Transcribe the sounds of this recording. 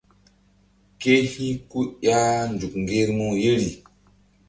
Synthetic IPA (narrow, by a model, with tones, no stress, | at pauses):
ke˦hi˦ku˦ja˦nd͡ʒu˨kŋ˨ɡe˦ɾmu˦je˦ɾi˨